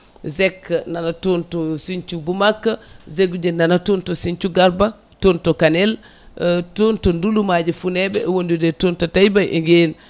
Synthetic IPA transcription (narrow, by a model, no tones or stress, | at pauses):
zekːnanatontosint͡ʃubumakːazeɡud͡ʒenanatontosint͡ʃuɡaɾba | tontokanel | tontondulumaɟifunebeʔwondudetoːntotajbaʔḭŋɡen